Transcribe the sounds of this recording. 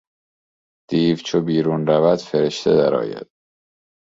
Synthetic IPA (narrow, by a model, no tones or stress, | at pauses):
d̪̥iːvt͡ʃʰobiːɾuːnɾævæd̪̥feɾeʃt̪ʰḛd̪æɾɒ̰ːjæ̰d̪̥̚